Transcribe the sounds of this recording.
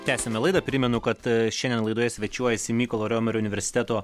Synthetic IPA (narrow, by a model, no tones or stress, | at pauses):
t̪ʲæːsʲɛmʲɛlˠɐɪd̪ɐpʲɾʲɪmʲɛnʊkɐt̪ʃʲɛnd̪ʲɛnlˠɐɪd̪oɔjɛsʲʋʲɛt͡ʃʲuɔjɛsʲɪmʲiːkoːlˠoːɾʲoːmʲɛɾʲoʊnʲɪʋʲɛɾʲsʲɪ̥t̪ʲɛt̪oː